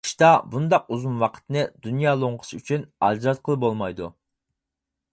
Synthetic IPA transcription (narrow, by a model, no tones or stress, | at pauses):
ʃt̪ɑbund̪ɑq̚uzumwɑqʰə̥t̪ɨnɨd̪unjɑːlˠoɴʁʰə̥syt͡ʃʰynɑd͡ʒɾɑt̪̚qʰəlˠɨpbolˠmɑjd̪u